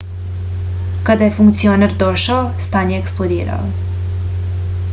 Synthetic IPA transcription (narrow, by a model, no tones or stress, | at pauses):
kad̪aɛfuŋkt̪siɔnɛrd̪ɔʃawst̪aɲɛːksplˠod̪ḭːɾa̰w